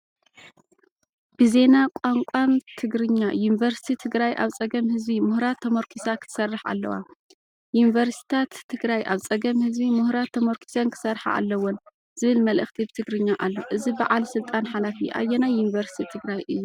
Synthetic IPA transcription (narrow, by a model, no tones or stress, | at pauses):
b̥ɨze̞nakʷʼaŋkʷʼant̪ʰɨɡɾɨɲːajunivɐɾst̪ʰit̪ʰɨɡɾajʔa̰βt͡sʼɐɡɐmhɨzbimʊhɾat̪ʰːɐmoɾkʰisakʰɨ̥t̪ɨ̥sɐrːɨħa̰lːɐ̰wa̰ | junivɐɾst̪i̥t̪ʰat̪ʰːɨɡɾajʔa̰βt͡sʼɐɡɐmhɨzbimuhɾat̪ʰːɐmoɾkʰi̥sɐnkʰɨ̥sɐrħa̰ʔa̰lːɐwːɔn | z̥ɨβɨlmɐlʔɨ̰xt̪ʰibɨt̪ʰɨɡɾɨɲːaʔalːoʔɨziba̰ʕalsɨlt̪ʼanħalafiʔa̰jːɛnajːunivɐɾsi̥t̪ʰit̪ʰɨɡɾajʔɨjːu